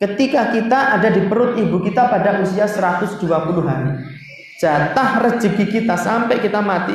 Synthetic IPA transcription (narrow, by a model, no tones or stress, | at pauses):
kət̪ikakit̪aʔadadipəɾʊt̪̚ibukit̪apadaʔusiasəɾat̪ʊsd̥uapuluɦaɾi | d͡ʒ̥at̪ahrəd͡ʒəɡikit̪asampɛkit̪amat̪i